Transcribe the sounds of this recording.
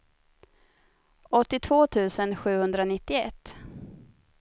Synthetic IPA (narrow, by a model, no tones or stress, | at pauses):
ɔt̪ːɪt̪ʰv̥oːt̪ʰʉ̟ːsənɧʉ̟ːhɵnd̪ɾanɪt̪ːɪɛt̪ː